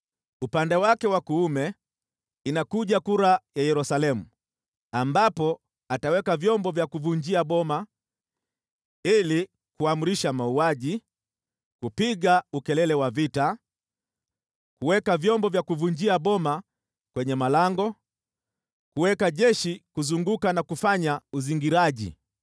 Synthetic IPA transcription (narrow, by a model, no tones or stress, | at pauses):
upandɛwakɛwakuumɛ | inakuʄakuɾajajɛɾusalɛmu | ambapɔ | atawɛkavjɔmbɔvjakuvuɲd͡ʒiaɓɔma | ili | kuamuɾiʃamauaʄi | kupiɠaukɛlɛlɛwavita | kuwɛkavjɔmbɔvjakuvuɲd͡ʒiaɓɔma | kwɛɲɛmalaŋɡɔ | kuwɛkaʄɛʃikuzuŋɡukanakufaɲauziŋɡiɾaʄḭ